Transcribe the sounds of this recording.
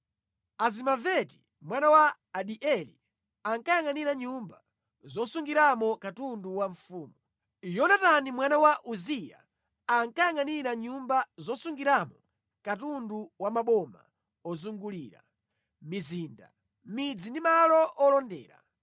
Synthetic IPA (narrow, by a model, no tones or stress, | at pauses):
azimavɛti̥ | mwanawaː | ɗiʔɛli | aŋkajaŋaniɾaɲumba | zɔsuŋɡiɾamɔkatunduwaɱfuːmu | jɔnatanimwanawaʔuzija̰ | aŋkajaŋaniɾaɲumbazɔsuŋɡiɾamɔ | katunduwamaɓɔma̰ | ɔzuŋɡuliːɾa̰ | miziːnda̰ | mid͡zindimalɔʔɔlɔndɛ̰ːɾa̰